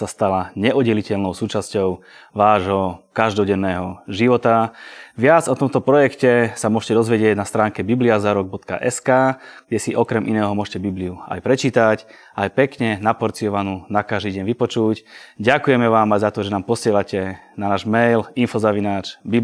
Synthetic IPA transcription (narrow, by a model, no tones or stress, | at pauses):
sast̪alaɲɛʔɔdɛlicɛlnɔʊsuːt͡ʃascɔʊ | ʋaːʒɦɔkaʒd̪ɔɟɛnːɛːɦɔʒiʋɔt̪aʋɪad͡zɔt̪ɔmt̪ɔpɾɔjɛkcɛsamʊɔʃcɛd̪ɔzʋɛɟɪɛɟnast̪ɾaːŋkɛbibliazaɾɔɡ̚bɔt̪ka̰ʔɛskaːɡɟɛsiʔɔkɾɛmʔinɛːɦɔmʊɔʃcɛbibliua̰jpɾɛt͡ʃiːt̪ac | ajpɛkɲɛnapɔɾt͡siɔʋanuːnakaʒd̪iɟɛnʋipɔt͡ʃucɟakujɛmɛʋaːmajzat̪ɔʒɛnaːmpɔsɪɛlacɛnanaːʒmɛjlinfɔzaʋinaːt͡ʃbi